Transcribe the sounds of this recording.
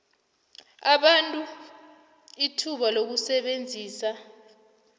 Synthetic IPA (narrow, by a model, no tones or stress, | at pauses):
aɓantʼu | itʰuɓalok̬usɛɓend͡zʱiːsa